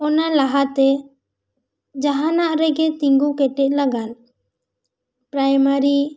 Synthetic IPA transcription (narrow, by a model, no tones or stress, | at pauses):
ɔnalaɦat̪ɛ | d͡ʒaɦanaʔɾɛɡɛt̪iŋɡukɛʈɛc̚laɡal | pɾajmaɾi